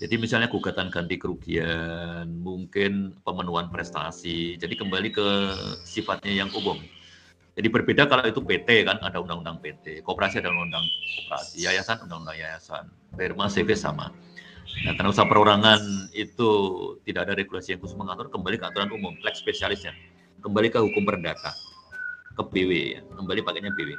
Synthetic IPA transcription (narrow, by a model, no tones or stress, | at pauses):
d͡ʒadimisalɲakuɡat̪ankant̪ikəɾuɡianmuŋkɪnpəmənuanpɾɛst̪a̰sid͡ʒadikəmbalikəsifat̪̚ɲajaŋumʊm | d͡ʒadipərbedakalait̪upet̪ekana̰daundaŋundaŋpet̪ekəopəɾasiadalaundaŋkopəɾa̰sijajasanundaŋundaŋjajasa̰n | firmasefesa̰ma̰ | nakarnausapəɾuɾaŋanit̪ut̪idaadaɾeɡulasijaŋkusməŋat̪ʊrkəmbalikəant̪uɾanumʊmplɛkspesialɪsɲa | kəmbalikəɦukʊmpərndak̪a̰ | kəpiwea̰kəmbalipakaɲapewe